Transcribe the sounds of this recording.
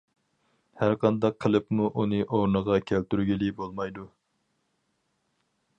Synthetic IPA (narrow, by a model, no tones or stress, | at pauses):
hæɾqʰɑnd̪ɑqʰːəlˠɨpmuʔunɨʔoɾnəʁɑkʲʰælt̪yɾɡʲilɪbolˠmɑjd̪u